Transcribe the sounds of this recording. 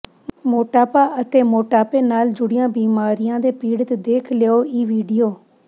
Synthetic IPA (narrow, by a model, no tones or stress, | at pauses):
moːʈaːpaːʔət̪eːmoːʈaːpeːnaːld͡ʒʊɽɪjãːbiːmaːɾɪjãːd̪eːpiːɽət̪d̪eːkʰleoːiːʋiːɖijoː